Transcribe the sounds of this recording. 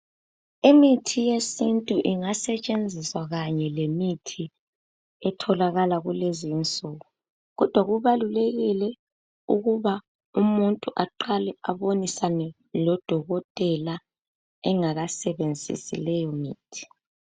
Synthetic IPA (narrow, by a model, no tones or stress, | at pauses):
imitʰijesintʼuʔiŋasɛt͡ʃʼend͡zʱiswaɣaɲɛlemitʰi | ɛtʰɔlaɣalaɣulezint͡sʼuɣu | ɣɔd̥ʱwaɣuβaluleɣilɛ | uɣuβa | umuntʼuʔaǃalɛaβonisanɛ | lɔd̥ʱɔɣɔtʼɛla | ɛŋaɣasɛβend͡zʱḭsḭlɛjɔmiːtʰi̥